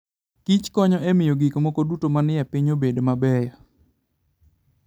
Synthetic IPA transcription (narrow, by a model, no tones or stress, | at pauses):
kit͡ʃkɔɲɔɛmɪjoɡikmɔkɔdutomanɪjapiɲobedmabɛjɔ